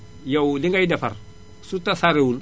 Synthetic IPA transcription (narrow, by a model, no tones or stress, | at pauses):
jawliŋɡajdafa̰ɾ | sutasaɾewul